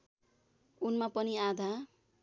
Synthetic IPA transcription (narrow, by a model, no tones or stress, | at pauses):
unmapʌniad̪ʱa